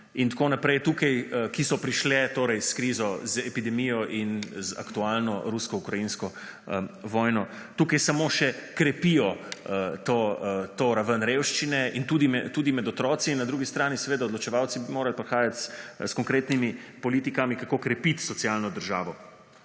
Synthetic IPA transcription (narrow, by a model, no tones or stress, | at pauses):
int̪konapɾɛjt̪uːkajkisɔpɾiʃlɛt̪oːɾɛjskɾiːzɔzɛpid̪ɛmijɔʔinza̰kt̪ualnɔɾuskɔukɾajinskɔ | ʋɔːjnɔ | t̪uːkajsamoʃɛkɾɛpijɔət̪ot̪oɾaʋənɾewʃt͡ʃinɛint̪uːd̪imɛt̪uːd̪imɛd̪ɔt̪ɾɔːt̪sinːad̪ɾuɡist̪ɾaːnisɛʋeːd̪aɔd̪lɔt͡ʃɛʋawt̪sibimoːɾalpɾɛxaːjat̪sskɔŋkɾeːt̪nimipɔliːt̪ikamikakokɾɛpit̪sɔt̪sialnɔd̪əɾʒa̰ːʋɔ